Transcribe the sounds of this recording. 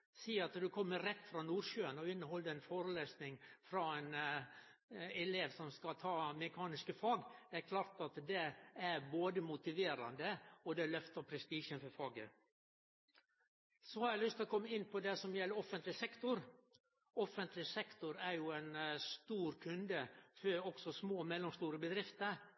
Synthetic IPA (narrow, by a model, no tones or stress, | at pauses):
siːɑt̪d̪ʉkʰɔmːəɾɛt̪ːfɾɑnuːɾʃøːənɔɪnːəhɔlːəɛnfoːɾəleːsnɪŋfɾɑɛn | ɛleːʋsɔmskɑlt̪ʰɑːmɛkʰɑːnɪskəfɑːɡd̪̥ɛæɾkʰlɑːɾt̪ɑt̪d̪ɛæɾboːd̪əmʊt̪ɪʋeːɾɑ̰nd̪əɔd̪ɛlœft̪əɾpʰɾɛst̪iːʃənfɔɾfɑːɡə̰ | sɔhɑɾæɪlʏst̪ɪlɔkʰɔmːəɪnːpʰɔd̪ɛsɔmjɛlːəɾɔfənt̪lɪsɛkt̪ʊɾ | ɔfənt̪lɪsɛkt̪ʊɾæɾjʊɛɪnst̪uːɾkʰʉnd̪əfɔɾɔɡ̥sɔsmoːmɛlːɔmst̪uːɾəbəd̪ɾɪft̪əɾ